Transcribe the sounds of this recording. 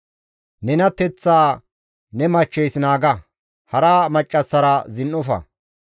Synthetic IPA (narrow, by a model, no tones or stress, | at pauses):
nɛnɐt̪ːɛt͡sːaː | nɛmɐt͡ʃːɛjsnaːɡɐ | hɐɾaːmɐt͡ʃʼːɐsːɐɾɐzɪnʔɔfɐ̰